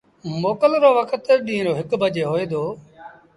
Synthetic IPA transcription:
moːkəlɾoːʋəkʰət̪ɗĩːɾoːɦɪkbəd͡ʒeːɦoːeːd̪oː

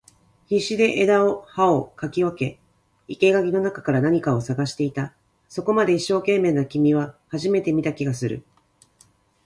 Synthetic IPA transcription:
çiɕid̪e̞ʔed̪ao̞hao̞kakʲiβake̞ | ike̞ɡaɡʲino̞nakḁkaɾanaɲ̟ikao̞saɡaɕi̥t̪e̞it̪a | so̞ko̞mad̪e̞iɕːo̞ːkẽ̞mːe̞ːnakʲimʲiβ̞ahaʑime̞t̪e̞mʲit̪akʲiɡasɨɾɯ̟̰

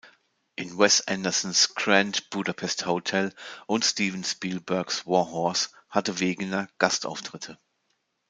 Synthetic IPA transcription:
ʔɪnwɛstʔɛ̰ndɐsn̩skʁɛntb̥udapʰɛsthotʰɛlʔʊntstiːvn̩spiːlbœɐkswɔɐɦɔɐs | hatəveːɡənɐɡ̥asta̰ʊftʁ̥ɪtʰə

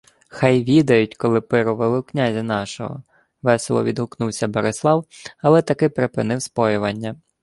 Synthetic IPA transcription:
xɑjʋʲid̪ɐjʊt̚ʲkɔlˠɪpɪɾʊʋelˠɪwknʲazʲinɑʃɔ̰ɦɔ̰ | ʋɛslˠɔ̰ʋʲid̪ɦʊknuwsʲɐbeɾeslˠɑwɐlˠɛt̪ɐkɪpɾepɪnɪwspɔjʊʋɐnʲːɐ

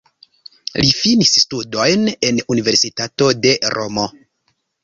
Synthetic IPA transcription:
lifinisstudo̞jne̞nunive̞ɾsitato̞de̞ɾo̞̰mo

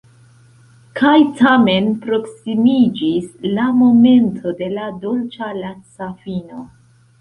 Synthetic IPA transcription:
kʰajtʰame̞npɾo̞ksimid͡ʒislamo̞me̞ntʰo̞de̞lado̞lt͡ʃalat͡safino̞

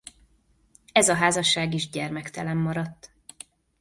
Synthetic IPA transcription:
ɛzɒɦaːzɒʃːaːɡiʒɟɛrmɛkt̪ɛlɛmːɒɾɒt̪ː

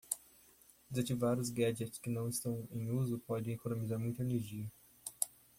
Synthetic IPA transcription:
ɪzat͡ʃivaɾʊzɡɛd͡ʒɛtskɪnɐ̃w̃ɪst̪ɐ̃w̃ẽj̃uzʊpɔdẽj̃ekonõmizaɾmũj̃t̪ɐeneɾʒiɐ

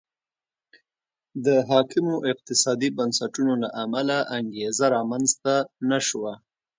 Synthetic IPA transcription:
d̪əɦɑkɪmoʔɪq̚t̪ɪsɑd̪ibansaʈunolaʔamalaʔaŋɡezaɾɑmanzt̪anaʃwa

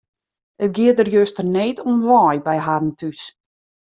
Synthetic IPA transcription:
ət̚ɡɪət̚dərjøstərneːtʰunʋɔːjbɛjɦadən̩tʰys

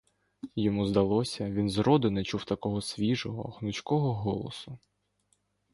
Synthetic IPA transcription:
jɔmuzd̪ɐlˠɔsʲɐʋʲinzɾɔd̪ɪnɛt͡ʃuwt̪ɐkɔɦɔsʲʋʲiʒɔɦɔ̰xnʊt͡ʃkɔɦɔɦɔlˠɔ̰sʊ

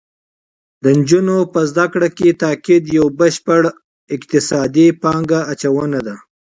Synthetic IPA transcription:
d̪ənd͡ʒunopəzd̪akɽaket̪ɑkɪd̪jawbəʃpəɽ | ɪkt̪ɪsɑd̪ipɑŋɡaːt͡ʃawənad̪a

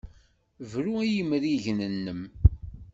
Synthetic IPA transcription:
vɾuæjəmɾiʝnənːəm

